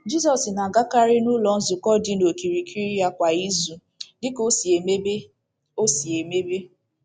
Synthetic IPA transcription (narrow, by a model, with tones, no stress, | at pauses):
d͡ʒi˦zɔ˨sna˨ɡa˦ka˦ɾɪ˦nʊ˦lɔ˨n̩˦zʊ˨kɔ˦dɪ˦no˨ki˨ɾi˨kʰi˦ɾi˦ja˦kʷa˨i˦zu˨ | dɪ˦ko˦se˨m˦b | o˦si˨e˨me˦be˦